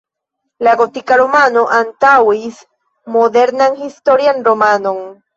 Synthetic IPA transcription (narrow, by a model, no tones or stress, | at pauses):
laɡot̪ikaɾomanoʔant̪awis | moðeɾnaŋxist̪oɾjanɾomanoŋ